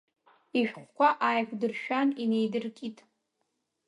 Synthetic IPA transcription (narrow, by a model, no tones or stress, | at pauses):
iʃᶣχʷkʷʰaʔajkʷdɨrʃᶣanine̞jdɨrkʼitʼ